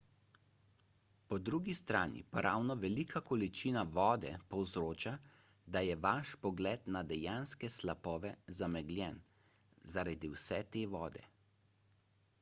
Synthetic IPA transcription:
pɔd̪ɾuɡist̪ɾaːnḭpaɾaːwnɔʋɛlikʰakɔlit͡ʃiːnaʋɔːd̪ɛpɔwzɾoːt͡ʃa | d̪ajɛʋaʃpɔɡlɛːt̪nad̪ɛjanskɛslapɔːʋɛzamɛɡlʲjɛn | zaɾad̪iwsɛt̪eːʋɔːd̪ɛ̰

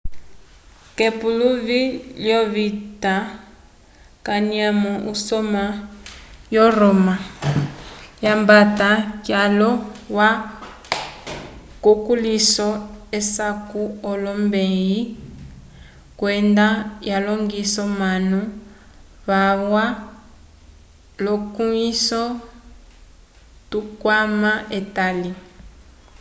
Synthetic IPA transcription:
kɛpuluviljɔβita | kaniamɔʔusɔma | jɔrɔma | jambatakjalɔwa | kukulisɔesakuɔlɔmbeji | kwɛndajalɔŋɡisɔmanu | βaβwa | lɔkuisɔ | tukwamaetali

